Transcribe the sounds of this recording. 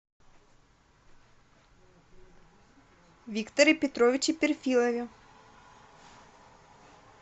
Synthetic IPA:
vʲikt̪oɾipʲɛt̪ɾɔvʲit͡ʃipʲɛɾfʲilˠɛvʲi

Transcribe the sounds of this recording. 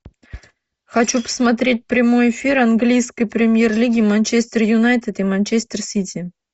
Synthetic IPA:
xat͡ɕupə̥smat̪̬ɾʲet̚ʲpɾʲɪmojefʲiɾanɡlʲijskəjpɾʲɪmʲjerlʲiɡʲimanʲt͡ɕesʲt̪ʲerjunajt̪ʲet̪imanʲt͡ɕesʲt̪ʲersʲitʲi

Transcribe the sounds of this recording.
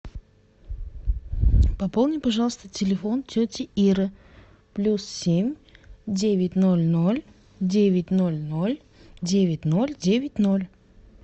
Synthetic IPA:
pɐpolˠnʲɪpɐʐɑlˠəst̪ətʲɪlʲɪfontʲɵtʲɪʔiɾɨ | plʲussʲemʲdʲevʲɪtʲnolʲnolʲ | dʲevʲɪt̚ʲno̞lʲnolʲ | dʲevʲɪtʲno̞lʲdʲevʲɪtʲnolʲ

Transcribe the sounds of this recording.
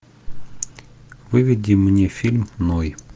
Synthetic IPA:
vɨvʲɪdʲimnʲefʲilʲmnoj

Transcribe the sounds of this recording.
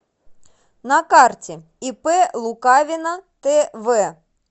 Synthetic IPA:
nɐkɑrtʲi | ipɛlˠʊkɑʋʲinɐt̪ɛʋɛ

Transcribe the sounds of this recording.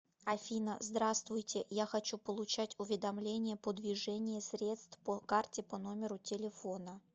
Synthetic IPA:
ɐfʲinə̰zd̪ɾast̪vʊjtʲɪjaxɐt͡ɕupəlˠʊt͡ɕætʲʊvʲɪd̪ɐmlʲenʲɪjəpəd̪vʲɪʐɛnʲɪjəsʲɾʲe̞t̪st̪fpokartʲɪpɐnomʲɪɾʊtʲɪlʲɪfo̞nə

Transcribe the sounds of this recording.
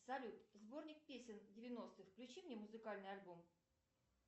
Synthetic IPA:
sɐlʲut̪zbo̞rnʲɪk̚pʲesʲɪndʲɪvʲɪno̞st̪ɨjfklʲʉt͡ɕimnʲemʊzɨkalʲnɨjɐlʲbom

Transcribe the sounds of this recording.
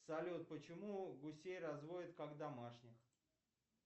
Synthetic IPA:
sɐlʲot̪̚pət͡ɕɪmuɡʊsʲejrɐzvoɪt̪kaɡd̪amaʂnʲɪx

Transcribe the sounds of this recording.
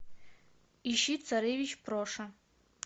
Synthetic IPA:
iʃit͡sʰaɾevit͡ʃʰpʰroʂa

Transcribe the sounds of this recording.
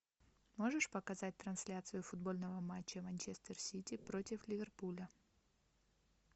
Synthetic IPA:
mo̞ʐɨʂpəkɐzat̚ʲt̪ɾɐnsʲlʲat̪sɨjʊfʊd̪̚bolʲnəvəmat͡ɕːəmɐnʲt͡ɕest̪ərsʲitʲɪpɾo̞tʲɪflʲɪvʲerpulʲə

